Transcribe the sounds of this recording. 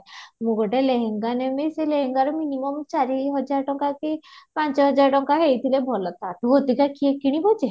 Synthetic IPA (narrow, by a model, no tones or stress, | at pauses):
mũɡoʈeleɦeŋɡanemeseleɦeŋɡaɾɔminimɔmt͡ʃaɾiɦɔd͡ʒaɾɔʈɔŋkakepant͡ʃɔɦɔd͡ʒaɾʈɔŋkaɦejt̪ʰilebʱɔlɔt̪ʰat̪uɦot̪ikakiekiɽ̃ibʱɔd͡ʒe